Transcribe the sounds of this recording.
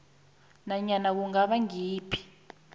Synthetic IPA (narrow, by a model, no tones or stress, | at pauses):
naɲanak̬uŋaɓaŋiːpʰi̥